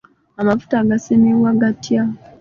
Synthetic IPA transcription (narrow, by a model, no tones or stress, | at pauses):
amafu̥taɡasemiwaɡatja